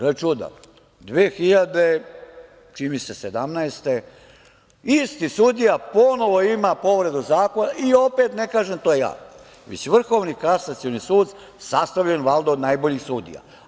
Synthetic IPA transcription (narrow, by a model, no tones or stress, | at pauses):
ɾet͡ʃud̪a̰ | d̪ʋeːxiʎad̪e | t͡ʃimisesed̪amnaest̪e | ist̪isud̪ijapono̞ʋo̞imapo̞ʋɾe̞d̪uzaːko̞naʔio̞peːt̪nekaːʒemt̪oːjeja̰ː | ʋḛt͡ɕʋr̩xo̞ʋnikasat̪sionisuːd̪ | sast̪aʋʎeenʋald̪ood̪najboʎixsud̪ḭja̰